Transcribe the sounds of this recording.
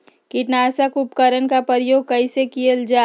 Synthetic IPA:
kɪʈnaːsakʊpkəɾənkapəɾjoːɡ̚kəɪsekijəld͡ʒaː

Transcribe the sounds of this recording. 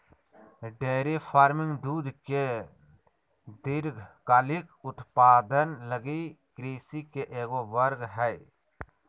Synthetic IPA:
ɖeːɾifʰaːɾmɪ̃ŋɡd̪uːd̪ke | d̪ɪɾɡkaːlɪkʊt̪paːd̪ənləɡikɾiːsikeʔeːɡoʋəɾɡɦɛ

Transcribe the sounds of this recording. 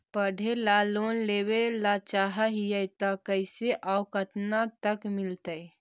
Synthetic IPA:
pəɖʱelalonlebelat͡ʃaɦəɦijət̪əkəɪseʔawkət̪nat̪əkmilt̪əj

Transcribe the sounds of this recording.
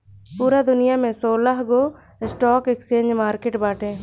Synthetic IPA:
puːɾad̪ʊnɪjamẽsoːlaɦɡo | ɪsʈɔːkeksẽːɲd͡ʒmaːɾkeʈbaːʈʰẽː

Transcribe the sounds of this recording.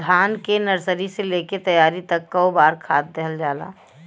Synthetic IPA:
d̪ʱaːnkenəɾsəɾiseleːket̪əjaːɾit̪ɐkːaobaːɾkʰaːt̪̚d̪eɦəld͡ʒaːla̰ː

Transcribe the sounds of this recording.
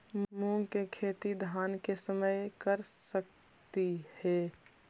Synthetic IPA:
muːŋkekʰeːt̪id̪ʱaːnkesəməjkəɾsək̚ | t̪ihɛː

